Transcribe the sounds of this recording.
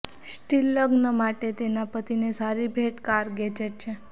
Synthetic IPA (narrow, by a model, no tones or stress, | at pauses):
sʈilːəɡnəmaʈet̪enapət̪inesaɾibʱeʈkaɾɡed͡ʒeʈ̚t͡ʃʰe